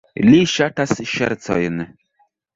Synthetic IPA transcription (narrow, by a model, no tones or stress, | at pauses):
liʃatasʃɛ̰ɾt͡so̰jn